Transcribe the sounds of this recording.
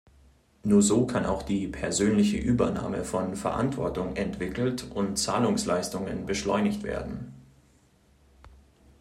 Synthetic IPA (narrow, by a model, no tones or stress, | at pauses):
nuːɐzoːkʰanʔa̰ʊxd̥iːpʰɛɐzøːnlɪçəʔyːbɐna̰ːmə̰fɔnfɛɐʔa̰ntv̥ɔ̰ɐtʊŋʔɛntv̥ɪkl̩tʊntt͡saːlʊŋslaɪstʊŋə̰nbəʃlɔʏnɪçtv̥ḛːɐdn̩